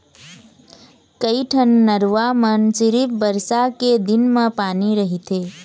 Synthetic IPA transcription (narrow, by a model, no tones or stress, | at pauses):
kəiʈʰənːəɾʋamənt͡ʃɪɾipbəɾsaked̪ɪnmãpaːniɾəɦit̪ʰe